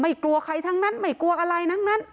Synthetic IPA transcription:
ma˧˥˩jklu˧əkʰa˧jt̪ʰa˧˥ŋna˦˥˨nma˧˩jku˧əʔaː˧ɾa˧jna˦˥˨ŋna˦˥˨n

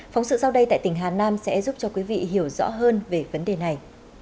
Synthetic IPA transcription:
fa˨˦wŋ͡msɨ̰˧˨sa˧wɗə˧jt̪a̰ː˧˨jt̪ï˨˩ŋ̟ɦaː˨˩naː˧msɛ̰˧˥zu˦˥p̚t͡ɕɔ˧kwi˨˦vḭ˧˨ɦi˧˩əwzɔ̰˧˥ɦəː˧nve˨˩və˨˦nɗe˨˩na˨˩j

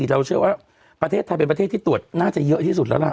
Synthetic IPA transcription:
i˨˩ɾa˧wt͡ɕʰɯ˥˩əwaː˥˩ | pɾa˧t̪ʰeː˥˩t̪ʰːa˧˩pe˧npt̪ʰeː˥˩t̪ʰiː˥˩u˨˩ət̪̚naː˥˩t͡ɕa˨˩jɤ˦˥ʔt̪ʰiː˥˩su˨˩t̪̚lɛ˦˥wla˧˩

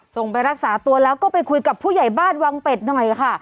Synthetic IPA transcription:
so˨˩ŋpa˧jɾa˦˥k̚saː˩˦t̪u˧ɐlɛː˦˥wkɔː˥˩pa˧jkʰu˧jka˨˩pʰːuː˥˩ja˨˩jbaː˥˩nwa˧ŋpe˨˩t̪̚nɔ˨˩jkʰa˥˩

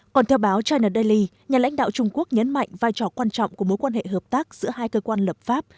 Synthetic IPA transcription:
kɔ˨˩nt̪ʰɛ˧wɓaː˨˦wt͡ɕaː˧jnəː˨˩ɗə˧li˧ | ɲaː˨˩la̰˧˥ŋ̟ɗa̰ː˧˨wt͡ɕʊ˧ŋ͡mku˦˥ək̚ɲə˨˦nma̰˧˨jŋ̟vaː˧jt͡ɕɔ̰˧˨kwaː˧nt͡ɕɔ̰˧˨wŋ͡mku˧˩əmo˨˦jkwaː˧nhḛ˧˨ɦəː˨˩p̚t̪aː˦˥k̚zɨ̰˧˥əɦaː˧jkəː˧kwaː˧nlə˨˩p̚faː˦˥p̚

